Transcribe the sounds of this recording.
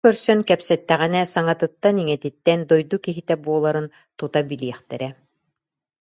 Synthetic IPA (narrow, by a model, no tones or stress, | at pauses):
œɾsœŋkɛpsɛt̪ːɛʁɛnɛsaŋat̪ɯt̪ːaniŋɛt̪it̪ːɛnd̪ɔjd̪ukiɦit̪ɛbuɔlˠaɾɯn | t̪ut̪abiliɛχt̪ɛɾɛ